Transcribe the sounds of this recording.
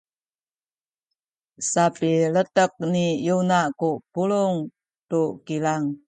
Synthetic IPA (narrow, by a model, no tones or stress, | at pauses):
sapilətək̚nijunakupuluŋ | tukilaŋ